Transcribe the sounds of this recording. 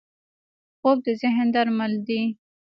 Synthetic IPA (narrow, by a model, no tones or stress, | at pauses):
xob̚d̪əzɪɦənd̪aɾmald̪i